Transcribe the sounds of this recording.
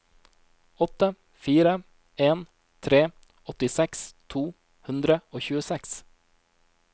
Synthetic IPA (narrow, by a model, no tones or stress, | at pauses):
ɔt̪ə | fiːɾə | eːn | t̪ʰɾeː | ɔt̪ɪsɛkst̪ʰuː | hʉnd̪ɾəoːçʉːəsɛks